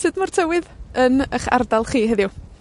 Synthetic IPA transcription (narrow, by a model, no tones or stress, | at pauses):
sɨːdmɔrtʰəwɪðənəχa̰rdalˠχiːɦəðju